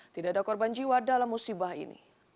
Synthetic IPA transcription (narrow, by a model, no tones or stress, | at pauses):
t̪idaadakɔrband͡ʒiwadalamːusibahḭnḭ